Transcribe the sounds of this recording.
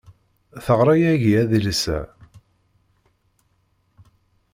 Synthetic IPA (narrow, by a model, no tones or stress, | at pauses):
θəʁɾˤɑjæʝiæðiləsæ̰